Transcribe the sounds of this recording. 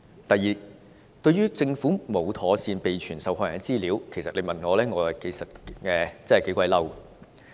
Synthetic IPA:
t̪ɐ˨˩jːiː˨ | t̪ɵ˧ɥyː˥t͡sɪ˧ŋfuː˨˥mo˨˧wt̪ʰɔː˨˥siː˧npe˨jt͡ʃʰyː˨˩nsɐ˨whɔː˧jɐ˨˩n˥t͡siː˥liː˨˥wkʰe˨˩sɐ˨t̚le˨˧jmɐ˨nŋɔː˨˧lɛː˥ŋɔː˨˧hɐ˨ke˨˩jsɐ˨t̚ɛː˧t͡sɛ˥ɐ˨˩ke˨˥kʷɐ˧jlɐ˥w

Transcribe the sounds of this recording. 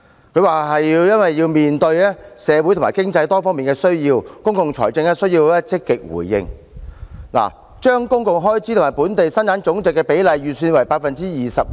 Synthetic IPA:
kʰɵ˨˧ɥwaː˨ɦɐ˨jːi˧wjɐ˥nwɐ˨jːiː˧wmiː˨nt̪ɵ˧ɥɛː˥sɛː˨˧wu˨˥t̪ʰmːaː˨˩kɪ˥ŋt͡sɐ˧jt̪ɔː˥fɔː˥ŋmiː˨˩ŋkɛː˧sɵ˥ɥjiː˧wkʊ˥ŋkʊ˨˧ŋt͡ʃʰɔː˨˩jt͡sɪ˧ŋɛ˥sɵ˥ɥjiː˧wɛː˥t͡sɪ˥kːɪ˨k̚wṵː˨˩jːɪ̰˧ŋ | la̰ː˨˩ | t͡ʃœː˥ŋkʊ˥ŋkʊ˨ŋɦɔː˥jt͡siː˧˥t̪ʰmaː˨˩jpuː˨˥nt̪e˨jsɐ˥nt̪aː˨˥nt͡sʊ˨˥ŋt͡sɪ˨kːɛː˧pe˨˥jlɐ˨jɥyː˨˩syː˧nwɐ˨˩jpaː˧k̚fɐ˨nt͡siː˥jiː˨sɐ˨p̚

